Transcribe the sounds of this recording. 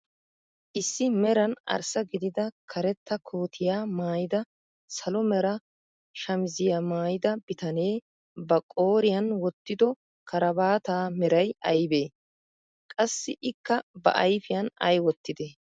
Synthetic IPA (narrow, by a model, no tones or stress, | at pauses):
ʔɪsːɪmɛɾɐnɐ̰ɾsɐɡɪd̪ɪd̪ɐkʰɐɾɛt̪ːɐkʰoːt̪ʰɪjaːmaːjɪd̪ɐ | sɐlɔmɛɾɐ | ʃɐmɪzɪjamaːjɪd̪ɐb̥ɪt̪ɐne̞ː | bɐkʼo̞ːɾɪjɐnwɔt̪ːɪd̪ɔ | kʰɐɾɐbaːt̪aːmɛɾɐjɐjbe̞ː | kʼɐsːɪʔɪkːɐbɐ̰ʔɐjfɪjɐnɐ̰jwɔt̪ːɪd̪e